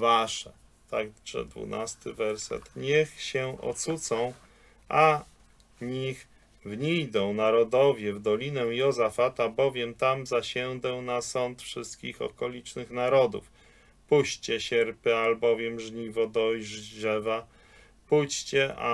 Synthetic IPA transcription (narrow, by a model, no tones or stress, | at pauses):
vaʂɛ | t̪akʐ̥ɛ̰d̪vṵnʔast̪ɘvɛɾsɛ̰t̪ɲɛxɕɛɔ̰t̪sut̪sɔ̃w̃ | ʔa | ɲix | vɲijd̪ɔ̃w̃naɾɔd̪ɔvʲjɛvd̪ɔlʲinɛw̃jɔzafat̪abɔvʲjɛmt̪amzaɕɛw̃d̪ɛw̃nasɔnt̪fʂɘst̪kʲixɔ̰kɔlʲit͡ʂnɘxnaɾɔd̪ṵf | puɕt͡ɕɛɕɛɾpɘalbɔvʲjɛmʐɲivɔd̪ɔʐʐɛva | put͡ɕt͡ɕɛa̰